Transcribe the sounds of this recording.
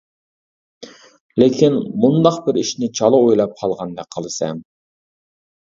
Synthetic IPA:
lɪkʲʰinmund̪ɑqbɪɾiʃnɪt͡ʃʰɑlˠɨojlˠɑp̚qʰɑlˠʁɑnd̪ɛk̚ʲqʰəlˠɨsɛ̰m

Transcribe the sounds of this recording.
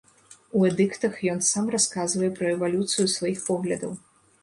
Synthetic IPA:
uɛd̪ɨkt̪ɐxjɔnsamraskazvɐjɛpɾɐɛvalʲut̪sɨjusvajixpɔɣlʲɐd̪ɐw

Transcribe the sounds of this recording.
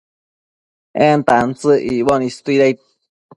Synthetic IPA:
ent̪ant͡sɨʔiβonist̪uiɾajt̪̚

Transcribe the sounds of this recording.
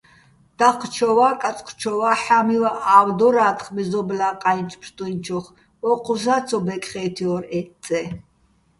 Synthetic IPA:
d̪̥aχʰt͡ʃʰɔwakʼat͡sʼqʰt͡ʃʰɔwaħamiwaʔawd̪ɔɾaːt̪χmɛzɔblaːqʼajnt͡ʃʰpʰɾt̪ʼunt͡ʃʰɔχ | ɔqʰʼuzat͡sʰɔbɛkʼχɛːt̪ʰiɔɾɛtt͡s̪ʼɛ

